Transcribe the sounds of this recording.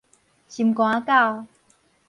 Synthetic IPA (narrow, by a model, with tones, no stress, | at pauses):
ɕi˨˩mkw̃ã˨˧˦ka˥˨w